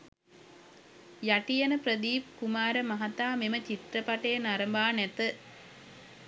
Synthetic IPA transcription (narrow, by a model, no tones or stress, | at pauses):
jaʈijanəprəd̪iːp̚kumaːɾəmaɦat̪aːmemət͡ʃit̪rəpaʈəjənaɾəmbaːnæt̪ə